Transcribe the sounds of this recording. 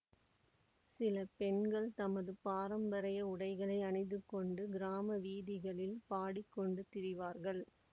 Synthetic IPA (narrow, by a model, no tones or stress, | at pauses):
sɪlɐpɛnɡɐɭt̪ɐmɐðɯpaːɾɐmbɐɾɐjɐʊɽɐɪɣɐɭɐɪɐnɪðɯkːɔɳɖɯɡɪɾaːmɐʋiːðɪɣɐɭɪlpaːɽɪkːɔɳɖɯt̪ɪɾɪʋaːɾɣɐɭ